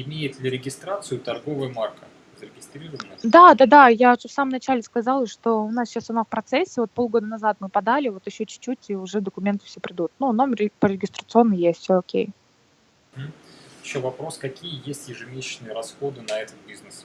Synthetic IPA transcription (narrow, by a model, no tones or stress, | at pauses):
ɪmʲejɪt̪lʲɪɾʲɪɡʲɪst̪ɾat̪sɨjʊt̪ɐrɡo̞vɨjəmarkə | zəɾʲɪɡʲɪst̪ɾʲiɾəvənəd̪ad̪ad̪ajaʊʐɨfsaməmnɐt͡ɕælʲɪskɐzalˠəʂt̪o̞ʊnasɕasʊnafpɾɐt̪sɛsʲːɪvo̞t̪po̞lˠɡo̞d̪ənɐzat̪mɨpɐd̪alʲɪvo̞t̪jɪɕːot͡ɕʊ̥t͡ɕːut̚ʲiʊʐɛd̪əkʊmʲe̞nt̪ɨ̥fsʲepʲɾʲɪd̪ut̪̚nunomʲrʲɪpəɾʲɪɡʲɪst̪ɾət̪sɨo̞nːɨəjjesʲtʲsʲoːkʲḛj | ɦ̩jɪɕːovɐpɾo̞skɐkʲijəjesʲtʲjɪʐɨmʲesʲɪt͡ɕnɨjəɾɐsxo̞d̪ɨnɐɛt̪ət̪̚bʲiznɨs